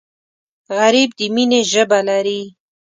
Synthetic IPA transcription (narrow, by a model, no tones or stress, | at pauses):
ɣaɾib̚d̪əmineʒəbalaɾi